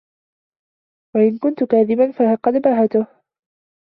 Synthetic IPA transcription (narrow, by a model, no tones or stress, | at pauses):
waʔɪnkʊnt̪ʊkaːðɪbanfaqɑd̪mɾˤɑɦat̪ʊh